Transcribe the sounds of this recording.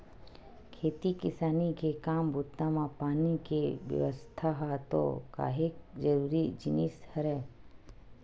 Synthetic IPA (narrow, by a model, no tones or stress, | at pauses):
kʰeːt̪ikɪsaːnikekaːmbut̪ːãmãpaːnikeʋjə̰ʋəst̪ʰaɦat̪o̰ka̰ːɦik̚d͡ʒəɾuːɾid͡ʒɪnishəɾɛ